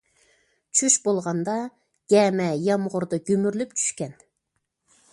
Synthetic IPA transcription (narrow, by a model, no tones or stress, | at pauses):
t͡ʃʰyʃbolˠʁɑnd̪ɑ | ɡ̥ʲɛmɛjɑmʁʊɾd̪ɑɡʲømyɾlypt͡ʃʰy̥ʃkʲɛn